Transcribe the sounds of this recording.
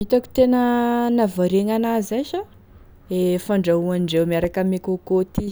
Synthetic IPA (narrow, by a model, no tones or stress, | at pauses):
it̪aku̥t̪enənavaɾeŋanazaʃə | efaɳɖ͡ʐauanɖ͡ʐewmiaɾakəmekokot̪i